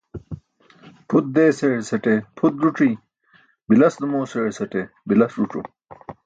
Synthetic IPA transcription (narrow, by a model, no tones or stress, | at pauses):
pʰut̪̚d̪eːsesɐʈepʰut̪̚ɾuʈ͡ʂi | bilɐsd̪umoːseɽsɐʈe | bilɐsɾuʈ͡ʂṵ